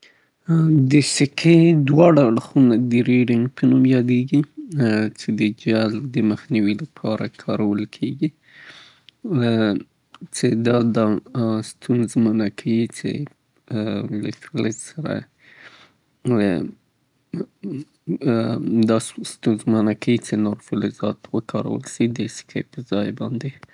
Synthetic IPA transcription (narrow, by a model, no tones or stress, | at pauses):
d̪əsɪkʰed̪wɑɽaːɽxunad̪əɾiɖɪŋɡpʰənumjɑd̪eɡi | t͡ʃed̪əd͡ʒald̪əməxniwilapʰɑɾakʰɑɾawəlkʰeɡi | t͡ʃed̪ɑd̪ɑst̪ʰunzmənakʰawit͡ʃḛ | la̰fɪlɪzsaɾa̰ | d̪ɑsst̪unzmənakʰawit͡ʃenoɾfɪlɪzɑt̪wəkʰɑɾa̰wə̰lʃid̪əskʰa̰jpəzɑjbɑnd̪e